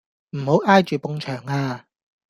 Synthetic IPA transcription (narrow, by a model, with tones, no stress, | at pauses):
m̩˨˩ho˨˥wʔaː˥jt͡ʃyː˨pʊ˧ŋt͡ʃʰœː˨˩ŋaː˧